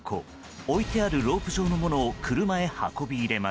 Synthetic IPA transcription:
kʰo̰ | oit̪e̞aɾɯ̟ɾo̞ːpɯ̟ʑo̞ːno̞mo̞no̞ːkʰɯ̟ɾɯ̟mae̞ha̰ko̞bʲiːɾe̞ma

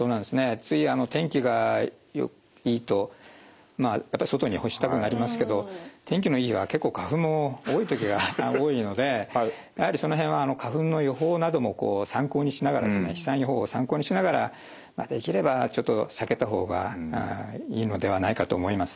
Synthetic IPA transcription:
soːnãnd̪esɨne̞t͡sɨiano̞t̪ʰẽ̞ŋkʲiɡa | jo̰ | iːt̪o̞ | majapːaiso̞t̪o̞ɲiho̞ɕi̥t̪akɯ̟naɾʲimasɨ̥ke̞d̪o̞t̪ʰẽ̞ŋkʲino̞iiβake̞kːo̞ːkaɸɯ̟̃mːo̞oːit̪o̞kʲiɡaoːiːno̞d̪e̞ | jahaɾʲiso̞no̞ɦẽ̞ɰ̃βaːnokʰaɸɯ̟̃nːo̞jo̞ɦo̞ːnad̪o̞mo̞ko̞ːsãŋko̞ːɲ̟iɕinaɡaɾa̰d̪esɨne̞̰çi̥sãɰ̃joɦoːsãŋko̞ːɲ̟iɕinaɡaɾa̰ | ma̰d̪e̞kʲiɾe̞bat͡ɕo̞t̪ːosake̞t̪aɦo̞̰ːɡa̰ | iːno̞d̪e̞β̞anaikat̪o̞ːmo̞imasɨ̥

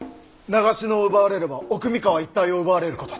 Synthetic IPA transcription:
naɡaɕino̞ɯbaːɾe̞ɾɯbaokɯ̟mʲikaβait̪ːaio̞ɯbaːɾe̞ɾɯ̟ko̞t̪o

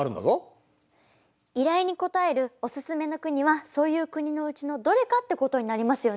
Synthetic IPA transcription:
aɾɯ̟nd̪a̰o | iɾaiɲ̟iko̞t̪ae̞ɾɯ̟o̞sɨsɨme̞no̞kɯ̟ɲ̟iβ̞aso̞ːjɯ̟ːkɯ̟ɲ̟ino̞ɯ̟t͡ɕino̞d̪o̞ɾe̞kat̪ːe̞ko̞t̪o̞ɲ̟inaɾʲimasɨjo̞

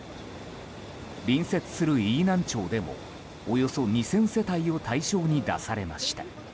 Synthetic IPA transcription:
bʲĩɰ̃se̞t͡sɨ̥sɨɾɯ̟iːnãɲ̟t͡ɕo̞ːd̪e̞mo̞̰ | ojo̞so̞ɲ̟isẽ̞ɰ̃se̞t̪aio̞t̪aiɕo̞ːɲ̟id̪a̰saɾe̞maɕi̥t̪a

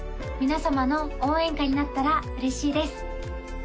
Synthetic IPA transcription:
mʲinasamano̞oːẽ̞ŋkaɲ̟inat̪ːaɾaɯ̟ɾe̞ɕiːd̪e̞sɨ̥

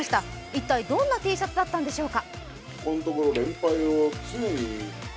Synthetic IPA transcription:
ɕi̥t̪a | it̪ːaid̪õ̞nːat̪e̞ːsat͡sɨd̪at̪ːãnd̪e̞ɕo̞ːka | ko̞not̪o̞ko̞ɾo̞ɾẽ̞mpaiot͡sɨeɲi

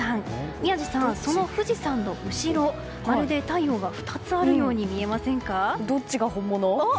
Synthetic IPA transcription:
ãŋmʲiaʑisãso̞no̞ɸɯ̟ʑisãnːo̞ʔɯ̟ɕiɾo̞ | aɾɯd̪e̞t̪aijo̞ːɡaɸɯ̟̥t̪at͡sɨaɾɯ̟jo̞ːɲ̟imʲie̞masẽ̞ŋkad̪o̞t͡ɕiɡahõ̞mːono

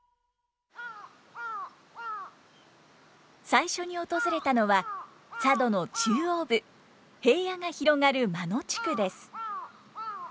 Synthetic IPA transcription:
saiɕo̞ɲ̟io̞t̪o̞zɨɾe̞t̪ano̞βa | sad̪o̞no̞t͡ɕɨːo̞ːbɯ̟ | he̞ːjaŋaçiɾo̞ŋaɾɯ̟mano̞t͡ɕi̥kɯ̟d̪e̞sɨ̥

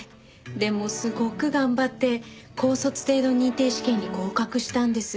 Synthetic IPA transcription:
d̪e̞mo̞sɨɡo̞kɯ̟ɡãmbat̪ːe̞kʰo̞ːso̞t͡sɨ̥t̪e̞ːd̪o̞ɲ̟ĩnt̪e̞ːɕi̥kẽ̞ɲ̟ːiko̞ːkakɯ̟ɕi̥t̪ãnd̪e̞sɨ

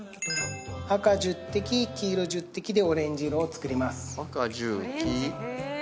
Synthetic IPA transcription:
akaʑɨt̪ːe̞kʲikʲiːɾoʑɨt̪ːe̞kʲid̪e̞o̞ɾẽ̞ɲ̟d͡ʑiɾoːt͡sɨ̥kɯ̟ɾʲimasɨ̥kad͡ʑɨki

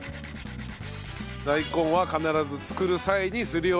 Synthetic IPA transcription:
d̪aikõ̞ɰ̃βakanaɾazɨt͡sɨ̥kɯ̟ɾɯ̟saeɲ̟isɨɾɯjoː

